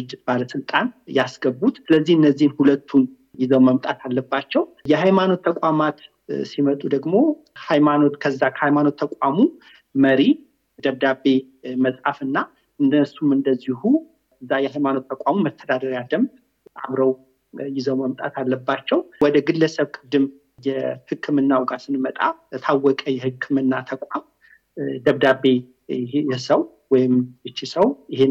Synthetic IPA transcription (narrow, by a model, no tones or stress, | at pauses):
ɨd͡ʒːɪt̪baləsɨlt̪ʼanjasɡəbːut̪sɨləzːihɨnːəzːihnhulət̪ʰːun | jɪzəwməmt̪ʼat̪ʰalːəbːat͡ʃːɛwjɛhajmano̞t̪ːʰəkʷʼamat̪ | simət̪ʼud̪əɡmo̞ | hajmano̞t̪kʰəzːakʰəhajmano̞t̪ʰːəkʼamu | məɾi | d̪əβd̪abe̞ | məsʼafɨnːa | ɨnd̪əsumɨnd̪əzːihu | ɨzːajɛhajmano̞t̪ːəkʼamuməst̪ʰːəd̪ad̪əɾjad̪əmd̪ | ʔa̰βɾəw | jɪzəwməmt̪ʼa̰t̪alːəbːat͡ʃːɛwwɔd̪əɡɨlːəsəβkʼɨd̪ːɨm | jɛhɨkʰːɨmɨnːawɡasɨnmət̪ʼa̰t̪ʰawːɔkʼəjɛhɨkʰːɨmɨnːat̪ʰəkʷʼam | d̪əβd̪abːe̞ | jɛsəw | wɔjɪmɨt͡ʃːisəwjɪhe